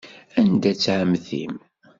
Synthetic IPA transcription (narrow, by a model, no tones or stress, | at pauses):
ænd̪æt͡sːʕəmθḭm